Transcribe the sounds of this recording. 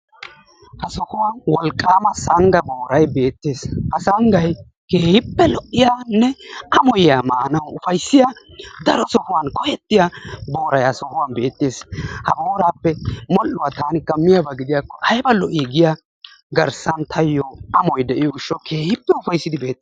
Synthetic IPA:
hɐsɔhʊwanwɔlkʼːaːmɐsɐŋɡɐboːɾɐjbe̞ːt̪ːeːshɐsɐŋɡɐj | keːhɪpːɛlɔʔːɪjaːnːɛɐmɔjaːmaːnɐwʊfɐjsːɪjad̪ɐɾɔsɔhʊwankɔjɛt̪ːɪjabo̞ːɾɐjhɐsɔhʊwanbe̞ːt̪ːeːshɐboːɾaːpːɛmɔlːʊwaːt̪aːnɪkːɐmːɪjabaɡɪd̪ɪjakːɔʔɐjbɐlɔʔiɡɪjaː | ɡɐɾsɐnt̪ʰɐjːɔɐmɔjd̪ɛʔɪjɔɡɪʃːɔkʰe̞ːhɪpːɛʊfɐjsːɪd̪ɪbe̞ːt̪ːeː

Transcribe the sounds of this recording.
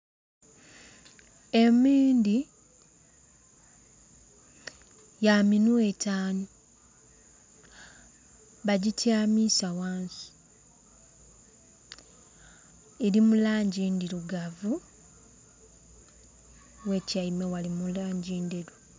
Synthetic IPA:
e̞miːndi | jaminuetaːnu | βaɟitʰjaːmisawaːnsi̥ | eɾimulaːɲɟiːndiɾuɡavu | we̞cajimewalimulaːɲɟiːndeɾu

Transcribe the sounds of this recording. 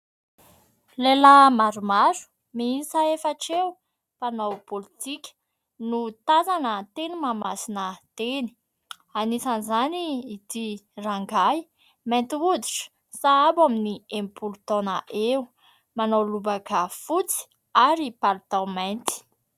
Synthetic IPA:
lelamaɾumaɾu̥ | miisaefaʈ͡ʂew | panawpolit̪ikʲə̥ | nut̪azanət̪enimamasinət̪eni̥ | anisanizaniːt̪iraŋɡaj | majnt̪iud̪iʈ͡ʂə̥ | saabaminiẽmpulut̪onaʔe | manowlubakafut͡si̥ | aɾipaɾt̪awmajnt̪i̥

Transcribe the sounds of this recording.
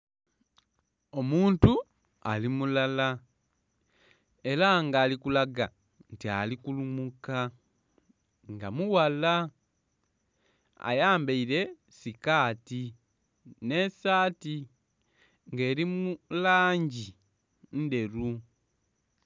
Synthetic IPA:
o̞muːntu | alimulala | e̞ɾaŋɡaːlikulaɡa | ntialikulumuka | ŋɡa̰muwala | a̰jaːmbeiɾe̞ | sikaːti | ne̞saːti | ŋɡe̞ːɾimulaːɲɟi | nde̞ɾu

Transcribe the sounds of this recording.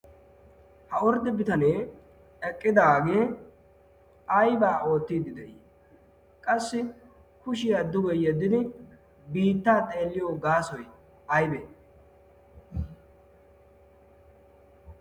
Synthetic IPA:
hɐɔɾd̪ɛbɪt̪ɐne̞ː | ɛkʼːɪd̪aːɡe̞ː | ɐjbaːʔo̞ːt̪ːiːd̪ːɪd̪ɛʔiː | kʼɐsːɪ | kʊʃɪjad̪ʊɡɔjjɛd̪ːɪd̪ɪ | biːt̪ːaːt̪ʼe̞ːlːɪjoːɡaːsɔj | ɐjbe

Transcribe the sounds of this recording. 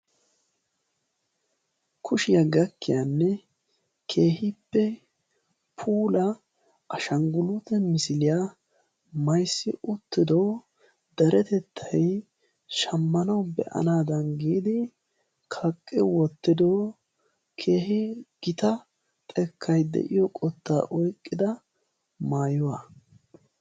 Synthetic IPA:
kʰʊʃɪjɐɡɐkːɪjanːɛ | kʰe̞ːɦɪpːɛ | pʰuːlɐ | ʔɐʃɐŋɡʊlʊt̪ɛmɪsɪlɪja | mɐjsːɪʔʊt̪ːɪd̪oː | d̪ɐɾɛt̪ɛt̪ʰːɐj | ʃɐmːɐnɐwbɛ̰ʔɐ̰naːd̪ɐnɡiːd̪ɪ | kʰɐkʼːɪwɔt̪ːɪd̪o | kʰe̞ːhɪɡ̥ɪt̪ɐ | t̪ʼɛkʰːɐjd̪ɛ̰ʔɪ̰jɔkʼɔt̪ːa̰ːʔɔjkʼːɪd̪ɐ | maːjʊwa

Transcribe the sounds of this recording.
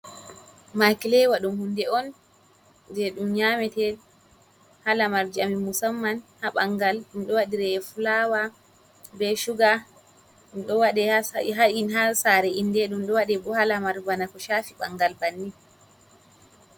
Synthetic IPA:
makilɛwaɗumhundɛɔn | dɛɗumɲamɛtɛ | halamaɾd͡ʒiamimusamːanhaɓaŋɡalɗumɗɔwaɗiɾɛfulawa | bɛʃuɡa | ɗɔwaɗɛhaɦainɦasaɾɛindɛɗumɗɔwaɗɛbɔhalamaɾvanakɔʃaːfiɓaŋɡalbanːi

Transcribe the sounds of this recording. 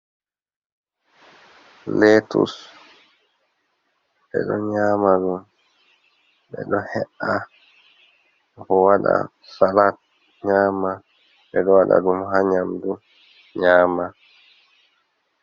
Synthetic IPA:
letṵs | ɓɛ̰ɗɔɲaːmadum | bɛ̰ɗɔhɛʔa | kɔwaɗa̰ | salat̚ | ɲaːma | ɓɛɗɔwaɗa̰dumɦaɲamdu | ɲaːma

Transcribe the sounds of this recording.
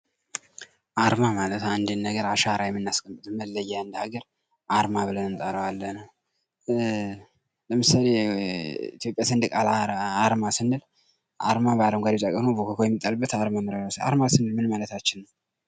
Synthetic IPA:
ʔaɾmamalət̪and̪ɨnːəɡəɾaʃaɾajɛmːɨnːaskʼəmpʼɨt̪ʼməlːəjːaɨnd̪əhaɡəɾ | ʔaɾmaβɨlənɨnt̪ʼaɾəwalːəhnəw | ləmɨsale | ḭt̪ʰjo̞pʼjasɨnd̪ɨkʼalaaɾmasɨnːɨl | ʔa̰ɾmabaɾəmɡʷad̪et̪ʼakʼənobokʰəkʰojɛmːit̪ʼːalbːət̪aɾmamɨɾəɡasa̰ɾmasɨnːɨlmɨnmalət̪at͡ʃːɪnːəw

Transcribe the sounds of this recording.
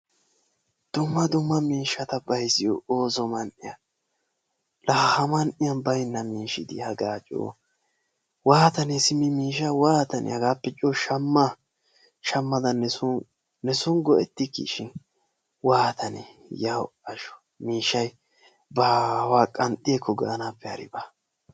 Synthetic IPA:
d̪̥ʊmːɐd̪ʊmːɐmiːʃːɐt̪ɐbɐjsɪjooːzɔmɐnʔɪjɐ | lɐhhɐmɐnʔɪjɐnbɐjnːɐmiːʃɪd̪ɪ̰hɐɡaːt͡ʃʼo̰ː | waːt̪ɐnesɪmɪmiːʃɐwaːt̪ɐnʔɛ̰hɐɡaːpːɛt͡ʃʼoːʃɐmːa | ʃɐmːɐd̪ɐnɛsʊnː | ɛsʊŋɡɔɛt̪ːɪkːḭʃɪn | waːt̪ʰɐnḛ | jawɐʃɔ̥ | miːʃːɐj | baːwaːkʼɐnt̪ʼːɪjekʰːɔɡɐʔɐnapːɛɐ̰ɾɪ̰ba

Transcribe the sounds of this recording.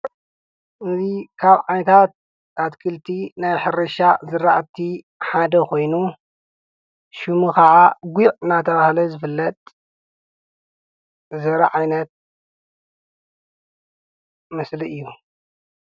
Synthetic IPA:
ʔɨzikʰaβʕajnɐt̪ʰat̪̚ | ʔat̪kʰɨlt̪ʰinajħɨɾɐʃazɨɾaʔt̪ʰi | ħad̪ɐkʰo̞jnu | ʃɨmukʰɐʕaɡʷuʕɨnːat̪ʰɐβahlɐzɨfɨlːɐt̪ʼ | zɐɾɐʕajnɐt̪̚ | mɐsliɨjːu

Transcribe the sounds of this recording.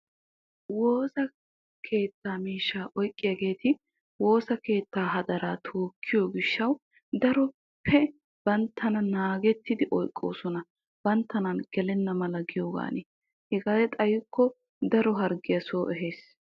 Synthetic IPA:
woːsɐ | kʰe̞ːt̪ːaːmiːʃːaːʔɔjkʼːɪjɐɡe̞ːt̪ɪ | wo̞ːsɐke̞ːt̪ːaːɦɐd̪ɐɾaːt̪ʰoːkʰːɪjoːɡɪʃːɐw | d̪ɐɾɔ | pʰɛ | b̥ɐnt̪ʰːɐnɐnaːɡɛt̪ːɪd̪ɪʔɔjkʼːo̞̰ːsɔnɐ | b̥ɐnt̪ːɐnɐnɡ̥ɛlɛnːɐmɐlɐɡɪjoːɡa̰ːne | hɛɡaːd̪ɛt̪ʼɐjɪkʰːɔ | d̪ɐɾɔɦɐɾɡɪjɐsoːʔɛɦe̞ːs

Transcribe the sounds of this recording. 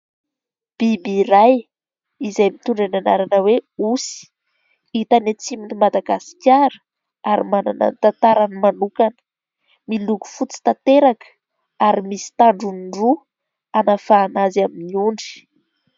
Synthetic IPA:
b̥ibiɾaj | izajmit̪uɳɖ͡ʐananaɾanəweusi̥ | it̪anet͡siminimad̪aɡasi̥kʲaɾə̥ | aɾimana̰nə̰nt̪ant̪aɾanmanukanə̥ | miluku̥fut͡si̥t̪at̪eɾakə̥ | aɾimisi̥t̪aɳɖ͡ʐunɖ͡ʐu | anafaːnazaminiuɳɖ͡ʐi̥

